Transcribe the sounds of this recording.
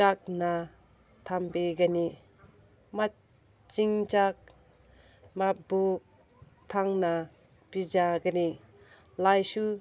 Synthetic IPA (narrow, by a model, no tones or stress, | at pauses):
ak̚na | tʰambeɡani | ma | t͡ʃiŋt͡ʃak̚ | mabu | tʰaŋna | pid͡ʒaɡani | lajsu